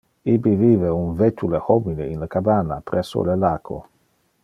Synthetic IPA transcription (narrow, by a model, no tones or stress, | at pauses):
ibiviveuɱvet̪ulehomineinlakabanːapɾɛsːo̰lelaːkʰo̰